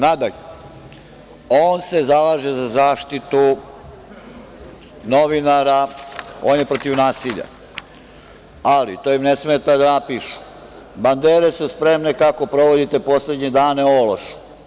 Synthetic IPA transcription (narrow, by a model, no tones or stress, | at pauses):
nad̪aʎe | oːnse̞zalaːʒezazaːʃt̪it̪u | no̞ʋinaɾao̰ːnjepɾot̪iʋnaːsiʎa̰ | alḭt̪oːimne̞sme̞t̪ad̪anapiːʃu̥ | band̪eːɾe̞suspɾe̞mne̞kako̞pɾo̞ʋo̞d̪it̪e̞po̞sle̞d̪ɲed̪aːne̞oloʃu̥